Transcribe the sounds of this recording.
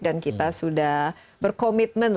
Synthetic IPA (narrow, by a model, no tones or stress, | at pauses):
dankit̪asudah | bərkomit̪̚mən